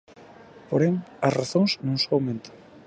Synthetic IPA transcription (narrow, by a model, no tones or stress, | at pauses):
poɾeŋɐsraθõŋsnõŋsõŋawmẽnt̪o̥